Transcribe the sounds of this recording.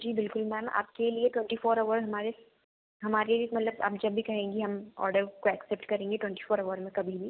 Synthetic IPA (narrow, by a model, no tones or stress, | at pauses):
d͡ʒiːbɪlkʊlmɛːma̰ːp̚kelieʈwɛ̃ɳʈifoːɾɐʋəɾɦɐmaːɾe | ɦɐmaːɾemɐt̪ləba̰ːpd͡ʒɐbʱːikɐɦẽːɡiɦɐmɔ̰ːɾɖəɾkoɛksɛp̚ʈkɐɾẽːŋɡeʈwɛ̃ɳʈifoːɾɐʋəɾmẽkɐbʱibʱi